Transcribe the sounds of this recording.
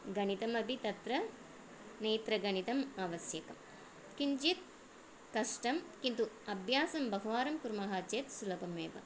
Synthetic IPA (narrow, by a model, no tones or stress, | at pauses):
ɡɐnit̪ɐmɐbʱit̪ɐt̪ɾɐ | neːt̪ɾɐɡɐnit̪ɐmaːʋɐsjɐkɐm | kiɲd͡ʒit̪̚ | kɐʂʈɐmkint̪u | ɐbʱjaːsɐmbɐɦuʋaːɾɐmkuɾmɐɦaːt͡ʃeːt̪sulɐpɐmḛːʋɐ̰